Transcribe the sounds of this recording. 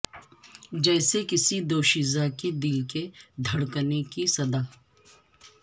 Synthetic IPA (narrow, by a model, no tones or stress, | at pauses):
d͡ʒɛːsekɪsid̪oːʃizakid̪ɪlked̪ʱɐɽkənekisɐd̪aː